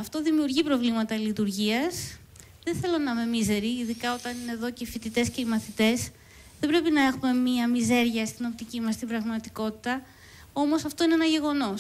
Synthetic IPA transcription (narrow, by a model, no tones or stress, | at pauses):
ɐft̪o̞ðimiuɾʝipɾo̞vlimɐt̪ɐlit̪uɾʝiɐs | ðeθe̞lo̞nɐme̞mize̞ɾiːðikɐot̪ɐnine̞ðo̞ceifit̪it̪e̞sce̞imɐθit̪e̞s | ðe̞bɾe̞pinɐe̞xume̞miɐmize̞ɾʝɐst̪ino̞p̚t̪icimɐst̪ibɾɐɣmɐt̪iko̞t̪i̥t̪ɐ | o̞mo̞sɐft̪o̞ineenɐʝe̞ɣo̞no̞s